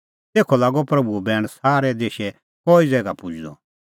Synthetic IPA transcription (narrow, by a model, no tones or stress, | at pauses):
t̪eːkʰɔlaːɡɔpɾɐbubɛːɽ̃saːɾɛd̪eːʃɛ | kɔːizɛːɡapʊd͡ʒd̪ɔ̰